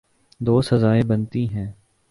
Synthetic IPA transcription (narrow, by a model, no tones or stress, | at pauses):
d̪oːsɐzaːebənt̪iɦɛ̃ː